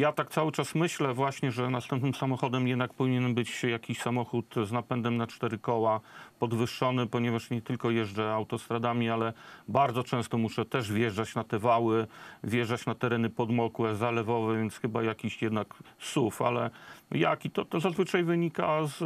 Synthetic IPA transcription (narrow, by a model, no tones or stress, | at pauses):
jat̪ak̚t̪sawɘt͡ʂasmɘɕlɛvwaɕɲɛʐɛnast̪ɛmp̚nɘmsamɔxɔd̪ɛmjɛd̪nak̚pɔvʲiɲɛnbɘt͡ɕjakʲiɕsamɔxut̪znapɛnd̪ɛmnat͡ʂt̪ɛɾɘkɔwapɔd̪vɘʂːɔnɘpɔɲɛvaʂɲɛt̪ɘlkɔjɛʐd͡ʐɛawt̪ɔst̪ɾad̪amʲialɛbaɾd̪zɔt͡ʂɛ̃st̪ɔmuʂɛt̪ɛʐvʲjɛʐd͡ʐat͡ɕnat̪ɛvawɘvʲjɛʐat͡ɕnat̪ɛɾɛnɘpɔd̪mɔkwɛzalɛvɔvɛvʲjɛnt̪sxɘbajakʲiɕjɛd̪naksufa̰lɛja̰kit̪ɔt̪ɔzazvɘt͡ʂajvɘɲika̰z